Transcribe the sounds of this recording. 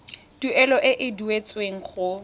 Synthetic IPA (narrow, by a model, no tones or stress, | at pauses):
d̥uɛlɔʔɪʔɪduet͡sʼweŋ̩χʊ